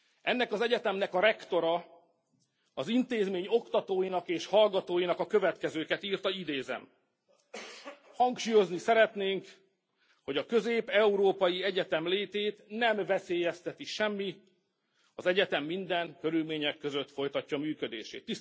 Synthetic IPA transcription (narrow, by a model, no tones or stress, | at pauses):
ʔɛnːɛkɒzɛɟɛt̪ɛmnɛkɒɾɛkt̪o̞ɾɒ | ɒzint̪eːzmeːɲo̞kt̪ɒt̪oːjinɒkeːʃhɒlɡɒt̪oːjinɒkɒkø̞vɛt̪kɛzøːkɛt̪iːrt̪ɒid̪eːzɛ̰m | hɒŋkʃuːjo̞znisɛɾɛt̪neːŋk | ho̞ɟɒkø̞zeːpɛuɾoːpɒjiɛɟɛt̪ɛmleːt̪eːt̪nɛmvɛseːjɛst̪ɛt̪iʃɛmːi | ɒzɛɟɛt̪ɛmːind̪ɛŋkø̞ɾylmeːɲɛkːø̞zø̞t̪fo̞jt̪ɒcːɒmyːkø̞d̪ḛːʃḛːt̪ːis